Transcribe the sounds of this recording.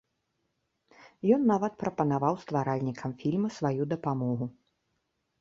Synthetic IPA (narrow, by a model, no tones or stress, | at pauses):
jɔnːavɐt̪̚pɾɐpɐnavawst̪vaɾalʲnʲikʰɐmfʲilʲmɐsvajud̪ɐpamɔɣu